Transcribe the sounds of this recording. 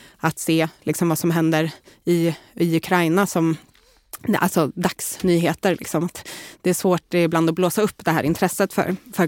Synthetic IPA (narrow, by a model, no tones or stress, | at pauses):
at̪seːlɪksɔmvasɔmɦɛnd̪əɾɪɪɵkʰɾajnasɔm | a̰lsɔd̪aksnyːɦeːt̪əɾlɪ̰ksɔmat̪d̪̥ɛæʂvoːʈːbland̪ɔbloːsaɵpːd̪ɛɦæːɾʔɪ̰nt̪ʰɾɛsːət̪fœ̰ɾfœɾ